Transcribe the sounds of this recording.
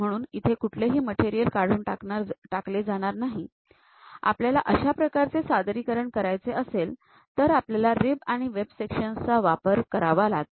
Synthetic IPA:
m̤əɽ̃uːnit̪ʰekuʈʰleɦiːməʈeɾijəlkaɽ̤uːnʈaaʈakled͡zaɽ̃aɾnaɦi | a̰pljalaʔəɕapɾəkaɾt͡sesad̪ɾiːkəɾəɳkəɾajt͡seʔəsel | t̪əɾapljalaɾibaɽ̃iʋebsekɕənt͡saʋapəɾkəɾaʋalaɡ̚

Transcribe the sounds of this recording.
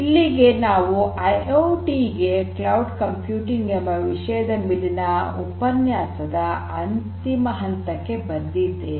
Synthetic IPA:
ilːiɡe̞naːʋuʔɐjowʈiɡeklɐwɖkɐmpjuːʈiŋɡɐmɐʋiʂɐjɐd̪ɐmilinɐupɐnjaːsɐd̪ɐ | ɐnt̪imɐɦɐnt̪ɐkːe̞bɐnd̪id̪ːe

